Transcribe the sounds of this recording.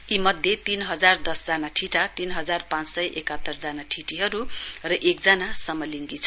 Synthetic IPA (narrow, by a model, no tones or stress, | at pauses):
imʌd̪ʱjet̪inɦʌd͡zard̪ʌsd͡zanaʈʰiʈat̪inɦʌd͡zarpãt͡ssʌjʔekʌt̪ːʌrd͡zanaʈʰiʈiɦʌɾurʌʔek̚d͡zanasʌmːʌliŋɡit͡sʰʌ